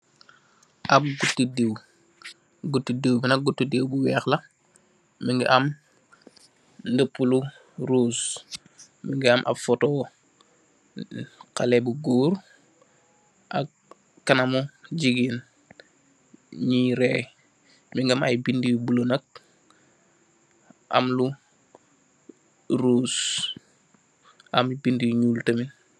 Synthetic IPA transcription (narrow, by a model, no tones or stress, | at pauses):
ʔab̚ɡutːidiw | ɡutːidewbinɐɡutːudewbuwɛːxlɐ | miŋɡiʔam | ndəpːulu | ɾuːs | miŋɡiamʔa̰bfotoː | qalɛbuɡuːɾ | ʔa̰k̚ | kːanamuɟiɡin | ɲiɾe | miŋɡamajbindibulonək̚ | ʔa̰mlu | ɾuːs | ʔamibindiɲuːltəmi